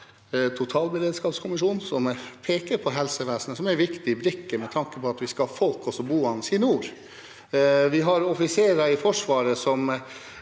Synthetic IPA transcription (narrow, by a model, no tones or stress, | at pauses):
t̪ʰʊt̪ʰɑːlbəɾeːd̪skɑːpskʰʊmɪʂuːnsɔmpʰeːkəɾpʰɔɦɛlsəʋæːsənəsɔmæɾʋɪkt̪ɪbɾɪkːəmɛt̪ʰɑŋkəpʰɔɑt̪ʋɪskɑfɔlkɔsɔbuːɑnsɪnuːɾ | ʋɪɦɑɾɔfɪseːɾəɪfɔʂʋɑːɾəsɔm